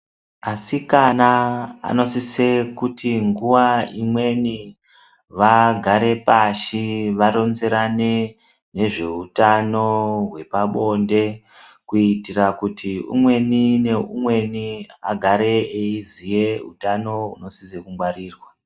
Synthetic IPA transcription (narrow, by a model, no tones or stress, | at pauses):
asikanaa̰no̞sise̞kutiŋɡuʋaimwe̞ni | ʋaɡʱaɾe̞paʃiʋaɾo̞nze̞ɾane | ne̞ʐe̞utano̞ɦwe̞paɓo̞nde̞ | kuitirakutʰiṵmwe̞nine̞ṵmwe̞nia̰ɡʱaɾe̞eizije̞ṵtano̞ṵno̞sisekumɡwaɾiːrwa